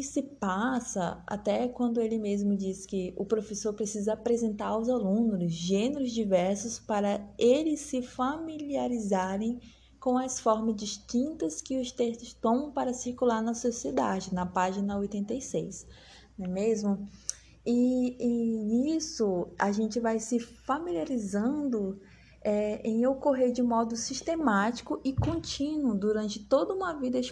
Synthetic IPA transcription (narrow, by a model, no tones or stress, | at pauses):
ɪsɪpasɐa̰t̪ɛkwɐ̃nd̪ʊelɪmezmʊd͡ʒiskɪʊpɾofesoɾpɾesizɐapɾezẽnt̪aɾʊwzalũnʊzʒẽneɾʊzd͡ʒivɛɾsʊspaɾɐelɪsːɪfamiliaɾizaɾẽj̃ | kõɐsfɔɾmɐzd͡ʒiʃt͡ʃĩnt̪ɐskɪʊst̪est̪ʊst̪õmɐ̃w̃paɾɐsiɾkulaɾnɐsosied̪ad͡ʒɪnɐpaʒinɐojt̪ẽnt̪ejsejs | nɛmezmʊ | ɪeisʊaʒẽnt͡ʃɪvajsɪfamiliaɾizɐ̃d̪ʊ | ɛẽj̃okoɦeɾd͡ʒɪmɔd̪ʊsiʃt̪emat͡ʃi̥kʊʔɪkõt͡ʃĩnwʊd̪uɾɐ̃nt͡ʃɪt̪od̪ɐũmɐvid̪ɐɪʃ